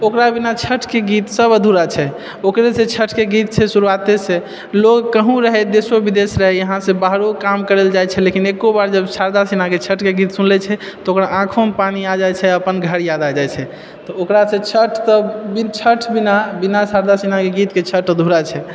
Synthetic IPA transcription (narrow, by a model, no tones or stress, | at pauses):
okɾabinat͡ʃʰəʈʰkeɡit̪səbəd̪ʱuɾat͡ʃʰɛ | okɾesẽt͡ʃʰəʈʰkeɡit̪̚t͡ʃʰɛsuɾuat̪esẽ | lokkəɦũɾəɦɛd̪esobid̪esɾəɦɛjəɦãsẽbaɦɾokamkəɾeld͡ʒajt͡ʃʰɛlekinekobaɾd͡ʒəbsaɾd̪asinaket͡ʃʰəʈʰkeɡit̪sunlɛt͡ʃʰɛ | t̪ɔokɾaʔãkʰompaniad͡ʒajt͡ʃʰɛəpənɡʱəɾjad̪ad͡ʒajt͡ʃʰɛ | t̪ɔokɾasẽt͡ʃʰəʈʰsɔbint͡ʃʰəʈʰbinabinasaɾd̪asinakeɡit̪ket͡ʃʰəʈʰəd̪ʱuɾat͡ʃʰɛ